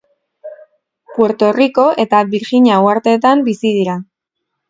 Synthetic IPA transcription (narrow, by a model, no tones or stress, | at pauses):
pwe̞ɾt̪o̞riko̞ʔe̞t̪aβiɾxiɲawaɾt̪e̞ːt̪ambisið̞iɾa